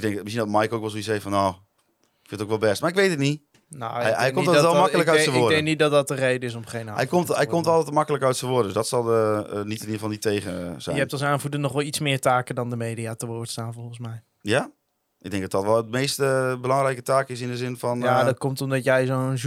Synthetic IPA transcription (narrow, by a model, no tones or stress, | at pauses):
ɪɡ̚dɛŋməsiəndɔtmajkowkʋɛlˠsoisɛjfɔnoː | ɪkfɪntowkʋɛlˠbɛstmaɪkʋejtətni | no̰jɛjkkomtdɛlˠmakələkœɥtsəʋʊədɛŋknitdɔt̚dɔt̚ərejdəɪs̬ɔmχejnaːɛjkomtɛjkɔmtɔlˠtɛtəmakələkœɥtsəʋʊdədəsdɔtsɔlˠənitnifɔnditeːɣəz̥ɛ̰jəɛp̚tɔlˠsaːnvudənɔχʋɛlˠitsmɪːɹtaːkədɔndəmeːdiatəʋʊːɹtstaːnvɔlˠχən̩smɛj | ja | ɪɡ̚dɛŋ̚dɔt̚dɔtʋɛlˠətmejstəbəlɑŋrɛjkətaːkɪs̬ɪndəzɪnfɔnjadɔtkɔmtɔmdɔtjɛjzon